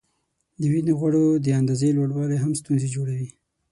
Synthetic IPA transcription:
d̪əwineɣwaɽod̪əand̪ɑzelwaɽwɑleɦamst̪unzed͡ʒoɽawi

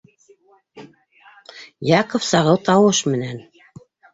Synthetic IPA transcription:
jɑqŏfsɑʁɤwt̪ɑwɤʃmɘ̆næn

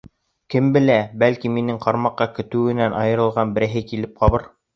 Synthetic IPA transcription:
kɘmbɘ̆læbælkiminɘŋqɑɾmɑqːɑkɵ̆t̪ɘ̆wɘ̆nænʔɑjɤ̆ɾɤ̆lˠʁɑnbɘ̆ɾɘ̆ɦɘkilɘp̚qɑβɤɾ

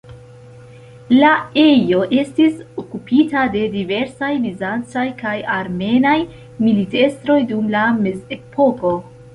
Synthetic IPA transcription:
lae̞jo̞ʔe̞stisokupʰitade̞dive̞ɾsajvizant͡sajkajaɾme̞naj | milite̞stɾo̞jdumlame̞ze̞pʰo̞ko̞

